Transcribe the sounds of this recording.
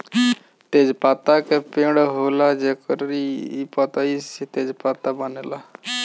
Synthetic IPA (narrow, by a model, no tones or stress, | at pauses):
t̪ed͡ʒpat̪akepeɽɦolad͡ʒekəɾipɔt̪əisit̪ed͡ʒpat̪abanela